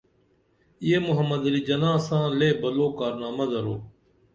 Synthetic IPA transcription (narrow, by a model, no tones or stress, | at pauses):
ɪeːmʊɦəmːəd̪əliːd͡ʒənãːsãːleːbəloːkaːɾnaːməzəɾoː